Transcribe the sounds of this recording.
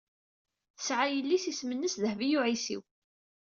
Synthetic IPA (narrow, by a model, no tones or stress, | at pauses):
θə̥sʕajəlːisismənːəsðəhvijuʕisḭw